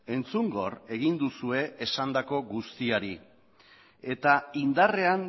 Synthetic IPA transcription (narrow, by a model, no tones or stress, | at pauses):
e̞nt͡suŋɡo̞re̞ɣ̞ind̪usue̞ʔesand̪ako̞ɣust̪iaɾi | e̞t̪aind̪are̞an